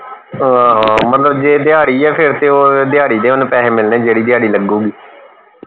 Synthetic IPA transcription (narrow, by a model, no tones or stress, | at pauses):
aːɦãmət̪ləbd͡ʒeːd̪ɪaːɽiːɛːpʰɪɾt̪eːoːd̪ɪjaːɽiːd̪eːʊnpɛːɦeːmɪlnẽːd͡ʒeːɽiːd̪ɪjaːɽiːləɡuːɡiː